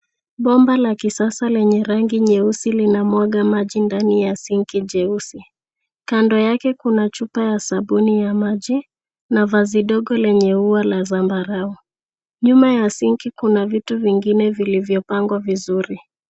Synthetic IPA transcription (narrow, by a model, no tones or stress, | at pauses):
ɓɔmbalakisasalɛɲɛɾaŋɡiɲɛusilinamɔɡamaʄindanijasiŋkiʄɛusi | kandɔjakɛkunat͡ʃupajasaɓunijamaʄi | navaziɗɔɠɔlɛɲɛuwalazambaɾau | ɲumajasiŋkikunavituviŋɡinɛvilivjɔpaŋɡwavizuɾi